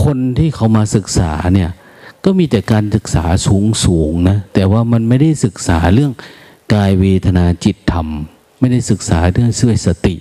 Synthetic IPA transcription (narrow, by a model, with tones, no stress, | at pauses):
kʰo˧nt̪ʰiː˥˩kʰa˨˦wmaː˧sɯ˨˩k̚sa̰ː˩˦ni˧˩ɐ | kɔː˥˩miː˧t̪ɛː˨˩kaː˧nsɯ˨˩k̚saː˩˦suː˩˦ŋsuː˩˦ŋna˦˥t̪ɛː˨˩waː˥˩ma˧nma˥˩jda˥˩jsɯ˨˩k̚saː˩˦lɯ˥˩əŋ | kaː˧jweː˧t̪ʰa˧naː˧t͡ɕi˨˩t̪ʰːa˧mː | a˥˩jda˥˩jsɯ˨˩k̚saː˩˦lɯ˥˩əŋsi˧˩˨a˨˩t̪̚sa˧t̪i˨˩ʔ